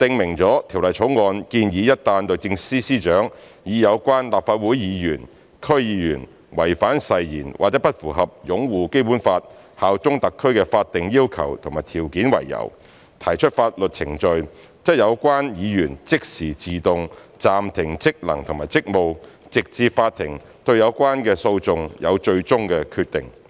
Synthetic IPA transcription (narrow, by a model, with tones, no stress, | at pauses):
t̪ɪ˧ŋmɪ˨˩ŋt͡sɔː˨˥t̪ʰi˨˩wlɐ˨jt͡sʰo˨˥wŋɔː˧nkiː˧njiː˨˧jɐ˥t̚t̪ːaː˧nt̪o˨˧wt͡sɪ˧ŋsiː˥siː˥t͡ʃœː˨˥ŋ | jiː˨˧jɐ˨˧wkʷwaː˥nlaː˨p̚faː˧t̚wuː˨˥jjiː˨˧jyː˨˩n | kʰɵ˥ɥjiː˨˧jyː˨˩n | wɐ̰˨˩jfaː˨˥nsɐ˨jjḭː˨˩nwa̰˨˩t͡sɛː˨˦˥pɐ˥t̚fuː˨˩ɦɐ˨p̚jʊ˨˥ŋwuː˨ke˥jpu˨˥nfaː˧t̚ | haː˨wt͡sʊ˥ŋt̪ɐ˨kʰːɵ˥ɥkɛː˧faː˧t̚t̪ɪ˨ŋjiː˥wkʰɐ̰˨˩wt̪ʰʊ˨˩ŋmaː˨˩jt̪ʰiː˨˩wkiː˨˥nwɐ̰˨˩jːɐ̰˨˩w | t̪ʰɐ˨˩jt͡ʃʰɵ˥t̚faː˧t̚lɵ˨t̚t͡sʰɪ˨˩ŋt͡ʃɵ˧ɥ | t͡sɐ˥jɐ˨˧wkʷaː˥njiː˨˧jyː˨˩nt͡sɪ˥k̚siː˨˩t͡siː˨t̪ʊ˨˧ŋt͡saː˨mt̪ʰɪ˨˩ŋt͡sɪ˥k̚lɐ̰˨˩ŋt̪ʰʊ˨˩ŋmaː˨˩jt͡sɪ˥k̚mo˨wt͡sɪ˨k̚t͡siː˧pfaː˧t̚t̪ʰɪ˨˩ŋ | t̪ɵ˧ɥjɐ˨˧wkʷaː˥nkɛː˧so˧wt͡sʊ˨˧ŋjʔɐ̰˨˧wt͡ʃɵ˧ɥt͡sʊ˥ŋkɛː˧kʰyː˧t̚t̪ɪ˨˩ŋ